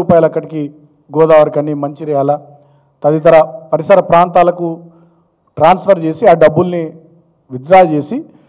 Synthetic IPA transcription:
uːpaːjɐlɐkːɐʈiki | ɡɔːd̪aːʋɐɾkɐnːimɐɲt͡ʃiɾɛjaːlɐ | t̪ɐd̪it̪̬ɐɾɐpɐɾisɐɾɐpɾaːnt̪aːlɐku | ʈɾaːnspʰɐɾt͡ʃe̞ːsiaːɖɐbːulni | ʋid̪ɾaːɐt͡ʃe̞ːsi

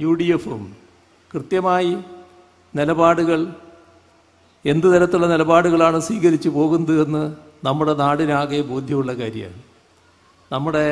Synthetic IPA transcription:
juːɽijefṵm | krɨt̪jɐmaːji | nilɐbaːɽuɣɐɭ | e̞nd̪ɨt̪ɐɾɐt̪ːuɭːɐnilɐbaːɽuɣɐɭaːɳɨswiːɣɐɾit͡ɕːɨpo̞ːɣunːue̞nːɨ | nɐmːuɽe̞naːɽinaːɣeboːd̪ʱjɐmuɭːɐkaːɾjɐ̰ | nɐmːuɽe̞

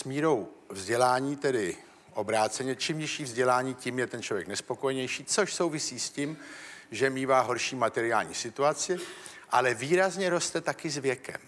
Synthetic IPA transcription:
smiːɾo̞wvzɟɛlaːɲiːt̪ɛdɪ | ʔo̞bɾaːt͡sɛɲɛt͡ʃimɲɪʃiːvzɟɛlaːɲiːcimjɛt̪ɛnt͡ʃlovjɛknɛspoko̞jɛɲɛjʃiːt͡so̞ʃso̞wvɪsiːscimʒɛmiːvaːɦo̞ɾʃiːmat̪ɛɾɪaːlɲḭːsɪt̪uat͡sɪ | ʔalɛviːɾazɲɛɾo̞st̪ɛt̪akɪzvjɛkɛ̰m

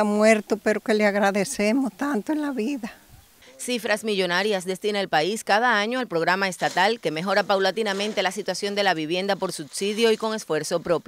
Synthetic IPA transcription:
amwe̞ɾt̪ope̞ɾoke̞leaɣɾaðe̞semost̪ant̪oenlaβiða | sifɾasmiʝo̞naɾjasd̪e̞st̪inaelpaiskaðaaɲo̞alpɾo̞ɣ̞ɾamaest̪at̪alke̞me̞ɦo̞ɾapawlat̪inamẽnt̪e̞lasit̪wasjo̞nd̪e̞laβiβje̞nd̪apo̞ɾsubsiðjo̞iko̞ŋe̞sfwe̞ɾso̞pɾo̞pjo

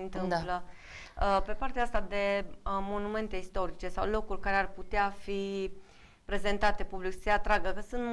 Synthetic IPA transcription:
nt̪ɨmplə | pe̞part̪eaast̪ad̪e̞mo̞nume̞nt̪e̞ist̪o̞ɾit͡ʃe̞sawlo̞kulʲkaɾe̞arput̪eafi | pɾe̞ze̞nt̪at̪e̞publikse̞at̪ɾaɡəkəsunt̪

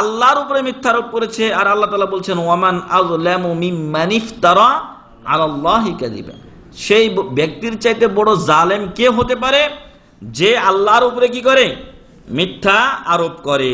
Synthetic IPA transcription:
alːaɾupoɾemit̪ʰːaaɾop̚koɾet͡ɕʰeaɾalːat̪aːlabolt͡ɕʰenwamanaðlamumimːanift̪aɾa | ʕa̰lalːɑːɦikad̪ḭba̰ | ʃejbek̚t̪iɾt͡ɕajt̪ebɔɽozalemkeɦot̪ep̬aɾe | d͡ʑealːaɾup̬oɾek̬ikɔɾe | mit̪ʰːaaɾopkɔɾe

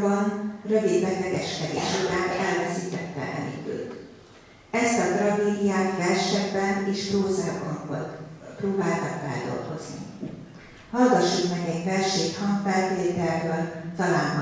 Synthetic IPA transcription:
bɒnrø̞vid̪lɛk̪lɛɡɛʃkɛd̪ḛʃoɾaːt̪ɛlvɛsiːt̪ɛt̪ːɛ̰ʔɛ̰nḭd̪ø̰ːt̪ | ɛst̪ɒt̪rɒɡeːd̪ijaːt̪vɛrʃɛɡbɛneːʃproːzaɡbɒɱvo̰lt̪proːbaːlt̪ɒkfɛ̰ld̪o̞̰lɡo̞̰znḭ | hɒlɡɒʃiːt̪mɛɡɛɟvɛrʃeːkhɒŋkfɛlt̪eːt̪ɛldøːlt̪ɒlaːnɦ

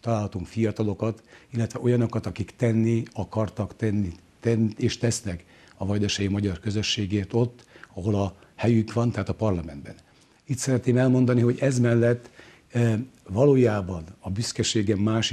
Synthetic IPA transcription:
t̪ɒlaːlhɒt̪uŋkfijɒt̪ɒlo̞kɒt̪ilːɛt̪ʋɛʔo̞jɒno̞kɒt̪ɒkikt̪ɛnːiɒkɒrt̪ɒkt̪ɛnːi | t̪ɛneːʃt̪ɛsnɛk | ɒvɒjd̪ɛʃɛjimɒɟɒrkøzø̞ʃːeːɡeːrt̪o̞t̪ːɒɦo̞lɒ | hɛjyŋkʋɒnt̪ɛɦaːt̪ɒpɒrlɒmɛnd̪bɛ̰n | it̪sɛɾɛt̪neːmɛlmo̞nd̪ɒniɦo̞ɟɛzmɛlːɛt̪ː | vɒloːjaːbɒnɒbyskɛʃeːɡɛmːaːʃ

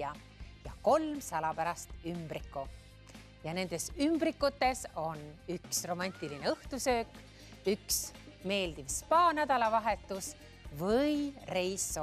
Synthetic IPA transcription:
ɑ | jɑko̞lmsɑlɑpæɾɑst̪ymb̥ɾikːu | jɑne̞nd̪̥e̞symb̥ɾikːˑut̪ːˑe̞so̞nyksro̞mɑnʲt̪ˑiline̞ɤht̪usø̞ːkːˑ | yksme̞ːld̪̥ivspɑːnæd̪ɑlɑvɑɦe̞t̪ːˑus | vɯjre̞jsːo

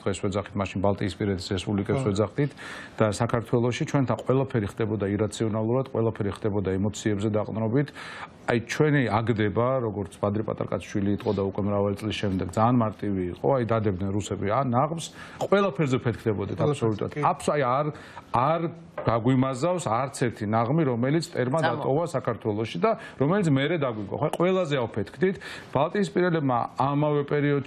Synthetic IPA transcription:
d̪̥ʁɛswɛd̪zaχit̪maʃinbalˠt̪ʼiːspʼiɾɛt̪ʰisɾɛspʼublikʼɛpswɛd̪zaχd̪it̪ʰd̪̥asakʰaɾt̪ʰwɛlˠɔʃit͡ʃʰwɛnt̪ʰanqʼwɛlˠapʰɛɾiχd̪ɛbɔd̪aiɾat̪sʰiɔnalˠuɾad̪̥qʼwɛlˠapʰɛɾiχd̪̥ɛbɔd̪aɛmɔt̪sʰiɛbzɛd̪aqʼnɾɔbit̪ʰ | ajt͡ʃʰwɛniaɡd̪ɛbaɾɔɡɔɾt̪sʰbad̪ɾipʼa̰t̪ʼa̰ɾkʼa̰t̪sʰʃwiliːt̪ʼqʼɔd̪aukʼwɛmɾavalit̪sʼlisʃɛmd̪ɛɡd̪zaːnmaɾt̪ʼiviːqʼɔ̰ajd̪ad̪ɛb̚d̪nɛnɾusɛbianaʁmsqʼwɛlˠapʰɛɾzɛpʰɛt̪̚ʰkʰd̪ɛbɔd̪it̪ʰapsɔlut̪ʼṵɾat̪apsajaɾ | aɾ | d̪̥aɡwimazafsaɾt̪sʰɛɾt̪ʰinaʁmiɾɔmɛlit̪sʰt̪ʼɛɾmad̪at̪ʼɔvasakʰaɾt̪ʰwɛlˠɔʃid̪aɾɔmɛlit̪sʰmɛɾɛd̪aɡwiɡa̰χaqʼwɛlˠazɛavpʰɛt̪ʰkʰd̪it̪ʰb̥alˠt̪ʼiːspʼiɾɛlɛbma̰amavɛpʼɛɾiɔd̪

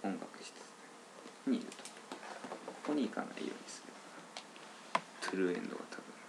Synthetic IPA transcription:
õ̞ŋɡakɯ̟̥ɕi̥t̪e̥sɨ̥ne | ɲ̟iːɾɯ̟t̪o̥ | kokoɲ̟iːkana̰ḭjo̞̰ːɲ̟ʲisɨ̥ɾeo | t̪ʰɯɾɯ̟ẽ̞̰nd̪o̞̰ɡat̪ʰabɯ̟̃

